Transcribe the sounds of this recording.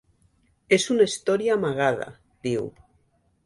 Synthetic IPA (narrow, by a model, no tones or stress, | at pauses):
esunaist̪oɾjaːmaɣað̞a̰ | ðiw